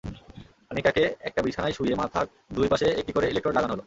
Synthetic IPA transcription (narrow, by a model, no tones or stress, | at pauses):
anitakeɛk̚ʈabɾiʃʰanajʃuiemat̪ʰa | d̪ujpaʃeek̚ʈikoɾeilek̚ʈɾoɾlaɡanɦolo